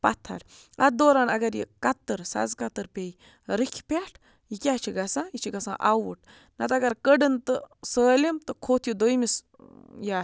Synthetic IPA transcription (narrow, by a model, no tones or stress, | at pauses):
pɐt̪ʰːa̰ɽ | ɐd̪oːɾaːnɐɡɐɾjḭkɐt̪ːɨɾsa̰zkɐt̪ɨɾpʲej | ɾikʰʲpʲaʈʰ | jikʲat͡ʃʰiɡɐsãːjit͡ʃʰiɡɐsã̰ːʔawuʈ | nɐt̪ɐɡɐɾkəɖɨnt̪ɨsəːlʲimt̪ɨkʰoːt̪ʰjud̪ojmis | ja